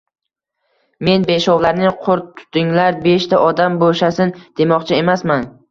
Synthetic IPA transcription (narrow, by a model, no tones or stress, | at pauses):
me̞nbe̞ʃɒwlaɾnɪqʰʊɾt̪ʰːʊ̥t̪ɪŋlaɾbe̞ʃt̪ʰaʔɒd̪amboʃasɪnd̪̥e̞mɒqt͡ʃʰɪe̞masman